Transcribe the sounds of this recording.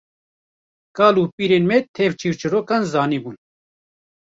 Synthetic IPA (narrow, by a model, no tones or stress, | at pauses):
kɑːluːpiːɾeːnmɛt̪ʰeːvt͡ʃʰiːɾt͡ʃʰɨɾoːkaːnzɑːniːbuːn